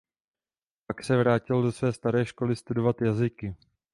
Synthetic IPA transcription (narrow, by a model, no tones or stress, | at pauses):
paksɛvɾaːcɪldo̞svɛːst̪aɾɛːʃko̞lɪst̪udo̞vat̪jazɪkɪ